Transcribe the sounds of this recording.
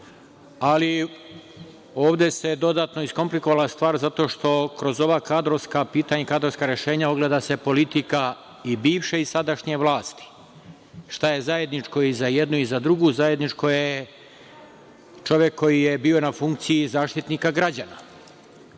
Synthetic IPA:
ali | o̞ːʋd̪e̞se̞d̪o̞d̪aːt̪no̞isko̞mpliko̞ʋalast̪ʋaːɾzat̪o̞ːʃt̪o̞kɾo̞zo̞ʋakaːd̪ɾoʋskapiːt̪aɲekaːd̪ɾoskaɾjeʃe̞ːɲaoɡle̞d̪ase̞po̞lit̪ika | ibiːʋʃeisad̪aʃɲe̞ʋlaːst̪i̥ | ʃt̪aje̞zaje̞d̪nit͡ʃko̞izajed̪nuizad̪ɾuɡuzaje̞d̪nit͡ʃko̞je | t͡ʃo̞ʋjekʰːo̞jijebiːo̞nafuŋkt̪sijizaːʃt̪it̪nikaɡɾad͡ʑana

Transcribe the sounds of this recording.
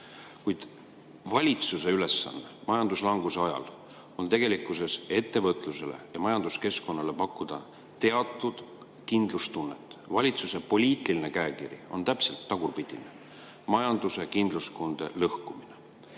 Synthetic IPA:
kujd̪̥ | vɑlʲit̪suse̞yle̞sːɑ̰nːemɑjɑnd̪uslɑŋɡ̥use̞ɑjɑ̰l | o̞nt̪e̞ɡ̥e̞likːˑuse̞se̞t̪ːe̞vɤt̪ːˑluse̞le̞̰jɑmɑjɑnd̪̥uske̞sko̞nːɑle̞pɑkːˑud̪̥ɑ | t̪e̞ɑt̪ːˑud̪̥ | kind̪lust̪unːet̪ːˑvɑlʲit̪suse̞po̞lʲiːt̪ːˑilinekæːkiɾḭo̞̰nt̪æpse̞lt̪ːɑɡ̥urpid̪̥inḛ | mɑjɑnd̪̥usekind̪luskond̪̥e̞̰lɤhkumine

